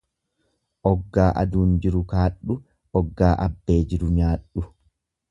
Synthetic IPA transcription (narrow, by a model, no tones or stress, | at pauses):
ʔɔɡːaːʔɐ̰d̪uːnd͡ʒɪɾʊkaːɗːʊ | ʔɔɡːaːʔɐbːe̞ːd͡ʒɪɾʊɲaːᶑːʊ